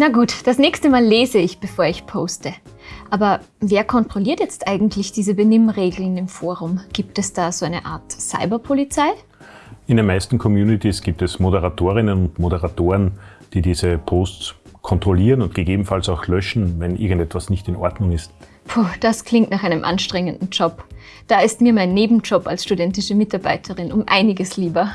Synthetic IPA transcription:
naɡuːtd̥asnɛːçstəmaːlːeːzəɪçb̥əfoːɐɪçpʰoːstə | ʔaːbɐ | veːɐkʰɔntʁ̥oliːɐtjɛt͡stʔaɪɡŋ̩tʰlɪçd̥iːzəbənɪmʁeːɡl̩nɪmfoːɐʁʊmɡ̥iːp̚tɛsd̥aːzoaɪnəʔa̰ːɐtsa̰ɪbɐpʰolit͡saɪ | ɪndeːnmaɪstn̩kʰɔmjuːnitisɡ̥iːp̚tɛsmodəʁatʰoːʁɪnənʊntmodəʁatoːʁənd̥iːdiːzəpʰoːst͡skʰɔntʁ̥oliːʁənʊnt̚ɡ̥eɡeːbm̩falsaʊxlœʃn̩vɛnʔɪɐɡŋ̩tɛtv̥asnɪçtɪnʔɔɐdnʊŋɪst | fʰuːd̥askl̥ɪŋtnaχʔaɪnəmʔa̰nʃtʁ̥ɛŋəndn̩d͡ʒɔp | d̥aːɪstmiːɐmaɪnːeːbm̩d͡ʒɔpalsʃtudɛntɪʃəmɪtaɐbaɪtʰəʁɪnʊmʔa̰ɪnɪɡəsliːbɐ

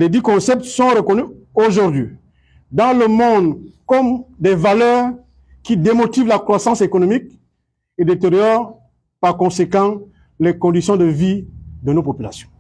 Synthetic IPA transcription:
lɛd̪ikɔ̃sɛp̚t̪sɔ̃ʁəkɔnyoʒuʁd̪ɥi | d̪ɑ̃ləmɔ̃d̪kɔmd̪ɛvalœːʁ | kid̪emot̪ivlakχwasɑ̃sekonomik̚ | ed̪et̪eʁjɔʁ | paʁkɔ̃sekɑ̃ | lɛkɔ̃d̪isjɔ̃d̪əvid̪ənopopylasjɔ̃

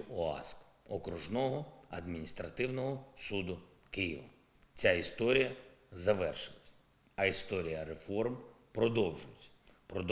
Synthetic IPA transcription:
ɔɑ̰sk | ɔkɾʊʒnɔɦɔɐ̰d̪mʲinʲist̪ɾɐt̪ɪwnɔɦɔsud̪ʊ | kɪjḭʋɐ̰ | t͡sʲaist̪ɔɾʲijɐzɐʋɛrʃɪlˠet͡sʲːɐ̥ | ɐist̪ɔɾʲijɐɾefɔrm | pɾɔd̪ɔwʒʊjet͡sʲːɐ̥ | pɾɔd̪

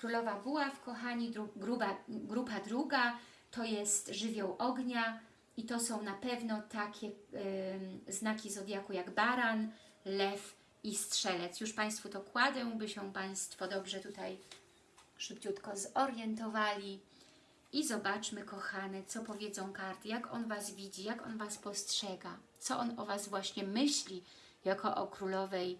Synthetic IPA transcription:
kɾulɔvabuwafkɔxaɲid̪ɾuɡɾubaɡɾupad̪ɾuɡa | t̪ɔjɛst̪ʐɘvʲjɔ̃w̃ʔɔɡɲa | it̪ɔsɔ̃w̃napɛvnɔt̪akʲɛ | znakʲizɔd̪ʲjakujaɡbaɾan | lɛf | istʂɛlɛt̪sjuʂpaj̃st̪fut̪ɔkwad̪ɛ̃bɘɕɛpaj̃st̪fɔd̪ɔbʐɛt̪ut̪aj | ʂɘpt͡ɕut̪kɔzɔɾjɛnt̪ɔvalʲi | izɔbat͡ʂmɘkɔxanɛt̪sɔpɔvʲjɛd̪zɔ̃w̃kaɾt̪jakɔnvazvʲid͡ʑijakɔnvaspɔstʂɛɡat̪sɔʔɔnɔvasvwaɕɲɛmɘɕlʲi | jakɔʔɔ̰kɾulɔvɛj

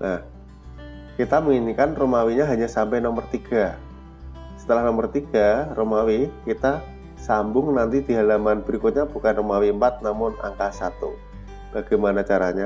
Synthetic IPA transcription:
nʔah | kit̪aməŋinikanromawiɲaɦaɲasampajnɔmərt̪iɡ̥a | sə̥t̪əlahnɔmərt̪iɡ̥aromawikit̪a | sambʊŋnant̪idiɦalamanb̥əɾikʊt̪̚ɲab̥ukanromawiəmpat̪̚namʊna̰ŋkasat̪ṵ | b̥aɡ̥ajmanat͡ʃaɾaɲa

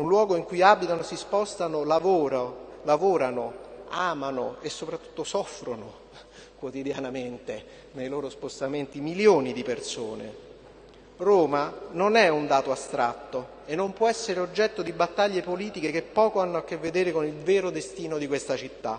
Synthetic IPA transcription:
unlwɔːɡoiŋkujabit̪anosispɔst̪anolavoːɾalavoːɾanoaːmanoesːopɾat̪ːu̥t̪ːosɔfːɾono | kwot̪id̪janament̪e | nejloːɾospost̪ament̪imiljoːnid̪ipersoːne | roːmanonɛund̪aːt̪oast̪ɾat̪ːo | enːompwɔɛsːeɾeod͡ʒːɛt̪ːod̪ibat̪ːaʎːepoliːt̪ikekepːɔːkoanːoakːevːed̪eːɾekonilveːɾod̪est̪iːnod̪ikwest̪at͡ʃit̪ːa̰

